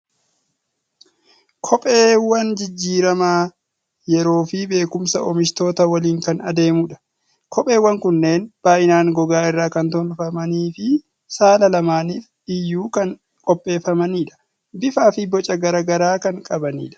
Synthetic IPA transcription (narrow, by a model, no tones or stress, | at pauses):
kʰɔpʼeːwɐnd͡ʒɪd͡ʒːiːɾɐmaː | jɛɾo̞ːfibe̞ːkʊmsɐʔɔmɪʃt̪o̞ːt̪ɐwɐliːŋkɐnɐ̰d̪e̞ːmʊᶑɐ̥ | kʰɔpʼe̞ːwːɐŋkʊnːe̞ːnb̥aːʔɪnaːŋɡɔɡaːɪrːaːkɐnt̪ɔnfɐmɐniːfɪ | saːlɐlɐmaːniːfᶑɪjːuːkɐn | kʼɔpʼːe̞ːfɐmɐniːᶑɐ̥ | bɪfaːfɪbɔt͡ʃʼɐɡɐɾɐɡɐɾaːkɐŋkʼɐbɐnḭːᶑɐ̥